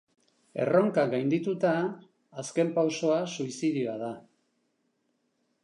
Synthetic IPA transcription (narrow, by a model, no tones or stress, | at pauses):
e̞̰ro̞ŋkaɡajnd̪it̪ut̪aː | ske̞mpawso̞asuisiðioaða